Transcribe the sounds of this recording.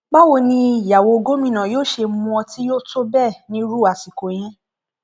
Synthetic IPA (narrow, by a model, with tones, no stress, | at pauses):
ɡ͡ba˦wo˧nĩ˧˨ja˨wo˧ɡo˦mĩ˦˨nã˨joː˦˨ʃe˧mũ˧ɔ˧ti˦jo˦˨to˦bɛ˦˨nĩ˦ɾu˦˨a˨si˨ko˨˦j̃ĩ˦